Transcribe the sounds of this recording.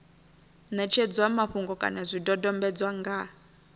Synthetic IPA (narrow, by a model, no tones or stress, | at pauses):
nɛt͡ʃʰɛd͡zwamaɸuŋɡɔkʼa̰nazʷidɔdɔmbɛd͡zwaŋɡa